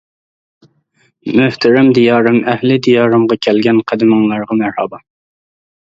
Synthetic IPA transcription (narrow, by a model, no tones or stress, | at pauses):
møht̪ʰɪɾɛmd̪ijɑːɾɨmɛhlɪd̪ijɑːɾɨmʁɑkʲʰɛlɡʲɛnqʰæd̪ɨmɨŋlˠɑɾʁɑmæɾhɑːbɑ